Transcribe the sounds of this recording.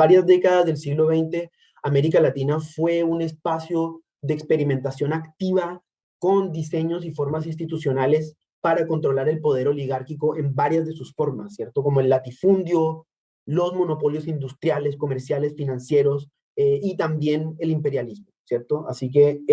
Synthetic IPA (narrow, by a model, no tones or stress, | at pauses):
aɾjazd̪e̞kaðazðe̞lsiɣlo̞β̞e̞jnt̪e̞ | ame̞ɾikalat̪inafwe̞une̞spasjo | ðeːkspe̞ɾimẽnt̪asjo̞nakt̪iβa | ko̞nd̪ise̞ɲo̞s̬ifo̞ɾmasins̬t̪it̪usjo̞nale̞s | paɾako̞nt̪ɾo̞laɾe̞lpo̞ð̞e̞ɾo̞liɣaɾkiko̞ʔe̞mbaɾjazðe̞susfo̞ɾma̰sːje̞ɾt̪o̞ko̞moe̞lːat̪ifund̪jo̞ | lo̞zmo̞no̞po̞ljo̞sind̪ust̪ɾjale̞sko̞me̞ɾsjale̞sfinãnsje̞ɾo̞s | eit̪ambje̞ne̞limpe̞ɾjalizmo̞sje̞ɾt̪o̞a̰sik̬e̞